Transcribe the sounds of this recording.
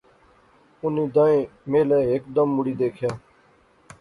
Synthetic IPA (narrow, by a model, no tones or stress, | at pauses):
ʊniːd̪ãːẽːmeːlɛːɦeːk̚d̪əmːʊɽiːd̪eːkʰjaː